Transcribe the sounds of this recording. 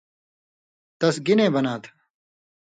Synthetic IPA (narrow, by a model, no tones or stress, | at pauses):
t̪ɐsɡinẽːbɐnaːt̪ʰ